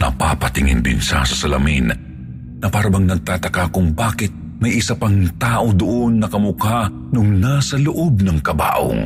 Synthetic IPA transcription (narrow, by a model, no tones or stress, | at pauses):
nɐ̰pa̰pɐt̪ɪŋɪ̰nd̪ɪ̰nsa̰sɐsɐlɐ̰mḭn | nɐpaːɾɐbɐŋnɐɡ̚t̪aːt̪ɐkakʊŋbaːkɪt̪̚ | mɐjʔɪsapaŋt̪aːʔod̪ʊʔonːɐkɐmʊka | nʊŋnasɐlʊʔob̚nɐŋkɐba̰ːʔo̰ŋ